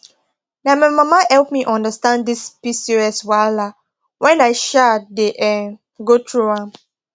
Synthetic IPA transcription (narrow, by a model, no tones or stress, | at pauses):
namamamahɛlpmiʔɔ̃ndəstãndispisiɹiɔswaɪlla | wɛ̃naɪʃadeʔɛ̃n | ɡotʰɹuãm